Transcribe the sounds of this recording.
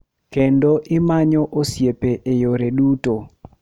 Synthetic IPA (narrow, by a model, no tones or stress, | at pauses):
kendoʔɪmaɲɔʔosjepeʔejoɾeduto